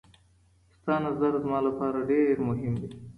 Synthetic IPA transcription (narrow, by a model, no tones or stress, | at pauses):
st̪ɑnazaɾzmɑlapɑːɾaɖeɾmʊɦɪmd̪i